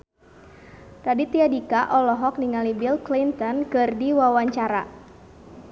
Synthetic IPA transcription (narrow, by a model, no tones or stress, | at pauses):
radit̪iadikaʔɔlɔɦɔk̚niŋalibilklint̪ɔnkɨrdiwawaɲt͡ʃaɾa